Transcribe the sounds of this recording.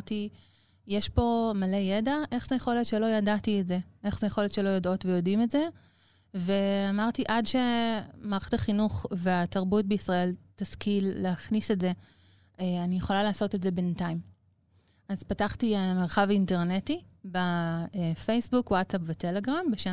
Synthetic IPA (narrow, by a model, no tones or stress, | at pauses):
ti | jeʃpo̞male̞je̞daʔe̞χzejeχo̞letʃe̞lo̞jadatietze̞ʔe̞χzejeχo̞letʃe̞lo̞jodo̞tvejo̞dimetze̞ | ve̞amaʁtiʔadʃe̞maʁχetaχinuχve̞ataʁbut̚beisʁae̞ltaskilːeaχnise̞tze̞ | eanijeχo̞lalaːso̞tedze̞bentaim | azpataχtiemeʁχavinteʁnetibaefejsbukwatsapvetele̞ɡʁambeʃe